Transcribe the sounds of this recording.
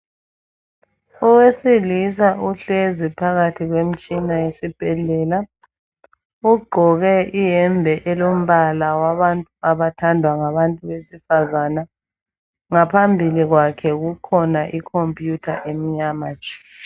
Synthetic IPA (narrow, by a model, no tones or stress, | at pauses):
ɔwesilis̬aʔuɬezipʰaɣatʰiɣwem̩t͡ʃʼinajesib̥ʱɛɮɛːla | uɡ͡ǃʱɔɣɛʔijɛmbʱɛʔɛlom̩βalawaβantʼuaβatʰandʱwaŋaβantʼuβesifazana | ŋapʰambʱiliɣwakʰɛɣukʰɔnaʔikʰompʼjutʰaʔemiɲamat͡ʃʼɛ̥